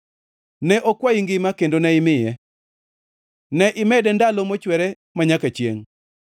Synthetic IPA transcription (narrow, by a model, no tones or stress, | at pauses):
nɛʔokwaiŋɡɪmakendonɛɪmɪjɛ | nɛʔɪmɛdɛndalomot͡ʃwɛɾɛ | maɲakat͡ʃjḛŋ